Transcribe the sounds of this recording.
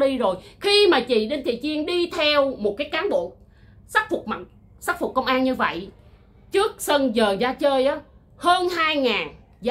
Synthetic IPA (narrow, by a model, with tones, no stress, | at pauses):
ɗi˧zo˨˩jxi˧maː˨˩t͡ɕḭ˧˨ɗe˧nt̪ʰḭ˧˨t͡ɕi˧əŋɗi˧t̪ʰɛ˧wmo˨˩t̚kaː˨˦jkaː˨˦nɓo̰˧˨n | saː˦˥k̚fʊ˨˩k͡p̚ma˨˩ | sa˦˥k̚fu˨˩k͡p̚kːə˧wŋ͡mʔaː˧nɲɨ˧və̰˧˨j | t͡ɕɨ˦˥ək̚sə˧nzəː˨˩zaː˧t͡ɕəː˧jʔaː˨˦ | həː˧nhaː˧jŋaː˨˩n | z